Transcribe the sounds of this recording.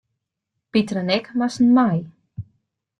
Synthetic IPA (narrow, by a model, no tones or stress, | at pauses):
pitrənɛkmasn̩maj